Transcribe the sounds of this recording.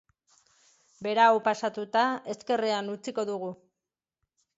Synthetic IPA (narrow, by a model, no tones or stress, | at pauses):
be̞ɾawpasat̪ut̪ae̞ske̞reanut͡siko̞ðuɣ̞u